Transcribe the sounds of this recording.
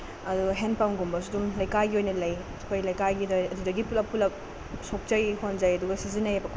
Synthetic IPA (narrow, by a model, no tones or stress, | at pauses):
ɐduɡɐɦenpawnɡombɐs̬udumlɐjkajɡiojnɐlɐj | kʰojlɐjkajɡidɐɐdudɐɡipulɐpʰulɐk̚ | sok̚t͡ʃɐjhonzɐjɐduɡɐsizinɐjɐbɐkʰ